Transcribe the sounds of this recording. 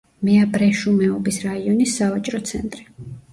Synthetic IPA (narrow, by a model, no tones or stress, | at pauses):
mɛabɾɛʃumɛɔbisɾaiɔnisːavat͡ʃʼɾɔt̪sʰɛ̰nt̪ʼɾi